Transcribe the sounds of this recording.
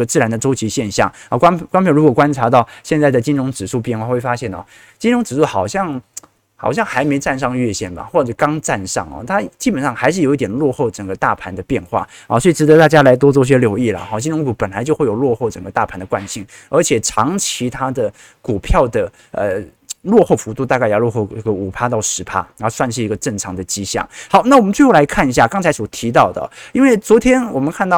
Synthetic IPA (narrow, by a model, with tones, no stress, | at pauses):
ə˧t͡sɹ̩˥˩ɻa˧˥nd̪ə˧ʈ͡ʂo˥ʊt͡ɕʰi˧˥ɕjɛ˥˧nɕjɑ̰˥˩ŋɔ˧˩kwa˥kwnpʰjɻu˧˥wɔ˨˩kwa˥nʈ͡ʂʰa˧˥t̪ɑ˥˩ʊɕjɛ˥˧nt͡sa˥˩ɪd̪ə˩t͡ɕi˥nɻʊ˧˥ŋʈ͡ʂɻ̩˨˩ʂu˥˧p̬jɛ˥˧nxwa˥˩˧xwe˥˩fa˥ɕjɛ˥˩n̰˨˩ | t͡ɕi˥nɻʊ˧˥ŋʈ͡ʂɻ̩˨˩ʂu˥˩xɑ˨˩ʊɕjɑ˥˧ŋ | xɑ˨˩ʊɕjɑ˥˩ŋxa˧˥ɪme˧˥ɪʈ͡ʂa˥˧nʂ̬ɑ˥˧ŋɥɛ˥˧ɕjɛ˥˩nba̰˩xwɔ˥˧˩ʈ͡ʂɤ˧˩kɑ˥ŋʈ͡ʂa˥˧nʂɑ̰˥˩ŋɐ̰˩t̪ʰa˥t͡ɕi˥pə˨˩nʂɑ˥˩ŋxa˧ɪʂɻ̩˥˩jo˨˥i˥˩jɛ˨˩nlwɔ˥˧xo˥˩ʊʈ͡ʂə˨˩ŋɡə˧˦t̪a̰˥˩pʰa˧˥nd̪ə˧pjɛ˥˧nxwa̰˥˩ɑ̰˥˩swɔ˧˥i˨˩ʈ͡ʂɻ̩˧˥d̪ə˧˦t̪a˥˩t͡ɕja˥la˧˥ɪt̪wɔ˥t͡swɔ˥˧˩ɕ̬jɛ˥ljo˧˥ʊi˥˩lə̰˩xɑ˥˩ɕi˥˧nʈ͡ʂʊ˧˥ŋku˧˩pə˨˩nla˧˥ɪt͡ɕjo˥˧xwe˥˩ɪjo˨˩lwɔ˥˧xo˥˩ʊʈ͡ʂə˨˩ŋɡə˦t̪a̰˥˩pʰa˧˥nd̪ə˨˧kwa˥˧nɕi˥˩ŋ | ə˞˧˥t͡ɕʰjɛ˨˩ʈ͡ʂʰɑ˧˥ŋt͡ɕʰi˧˥t̪ʰa˥d̪ə˨ | ku˨˩pʰjɑ˥˩ʊd̪ə˩ | ə̰˧ | lwɔ˥˧xo˥˩ʊfu˧˥t̪u˥˧t̪a˥˧ka˥ɪjlwɔ˥˧xo˥˩ʊə˥˩ɡə˩u˨˩pʰa˥t̪ɑ˥˩ʊʂɻ̩˧˥pʰa̰˥˧˥swa˥˧nʂ̬ɻ̩˥˩i˧˥ɡə˧ʈ͡ʂɤ˥˩ŋʈ͡ʂʰɑ˧˥ŋd̪ə˨t͡ɕi˥ɕjɑ̰˥˩ŋxɑ˨˩˦ʊna˥˩ɔ˨mə˦nt͡swe˥˧ɪxo˥˩la˧˥ɪkʰa˥˩ni˧˥ɕja˥˩kɑ˥ŋt͡sʰa˧˥ɪswɔ˨˩t̪ʰi˧˥t̪ɑ˥˩ʊd̪ə̰˩i˥nwe˥˩ɪt͡swɔ˧˥t̪ʰjɛ˥nwɔ˨˩mə˦nkʰa˥˧nt̪ɑ˥˩